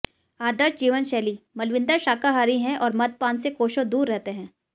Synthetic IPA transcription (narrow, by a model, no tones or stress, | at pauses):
aːd̪əɾʃd͡ʒiːʋənʃɛːlimɐlʋɪ̃nd̪əɾʃaːkaɦaɾiɦɛ̃ʔɔːɾmɐd̪̚paːnsekoːʃõd̪uːɾːɛɦt̪eɦɛ̃ː